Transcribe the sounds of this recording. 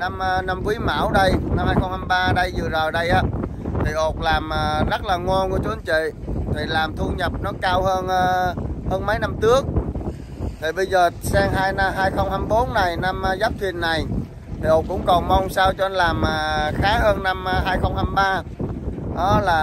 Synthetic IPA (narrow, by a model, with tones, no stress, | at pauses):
na˧m˧na˧mkwi˨˦ma̰ː˧˩wɗə˧jna˧mhaː˧jxə˧wŋ͡mha˧mɓaː˧ɗə˧jzɨ˨˩zəː˨˩jɗə˧jʔaː˨˦ | t̪ʰi˨˩ʔo˨˩t̚laː˨˩məː˨˩zə˦˥t̚laː˨˩ŋo˧nku˧˩ət͡ɕu˨˦ə˨˦nt͡ɕḭ˧˨t̪ʰi˨˩laː˨˩mt̪ʰu˧ɲə˨˩p̚nɔ˨˦kaː˧whəː˧nː˧həː˧nmə˨˦jna˧mtɨ˦˥ək̚ | t̪ʰi˨˩ɓə˧jzəː˨˩sɛː˧ŋɦaː˧jna˧ɦaː˧jxə˧wŋ͡mha˧mɓo˨˦nːa˨˩jna˧mː˧zaː˦˥p̚t̪ʰi˨˩ənːa˨˩j | t̪ʰi˨˩ʔo˨˩t̚kʊ̰˧˥wŋ͡mkɔ˨˩nmɔ˧wŋ͡msaː˧wt͡ɕɔ˧ʔə˧nlaː˨˩maː˨˩xaː˨˦ɦəː˧nna˧m˧ɦaː˧jxə˧wŋ͡mha˧mɓaː˧ | ɗɔ˨˦laː˨˩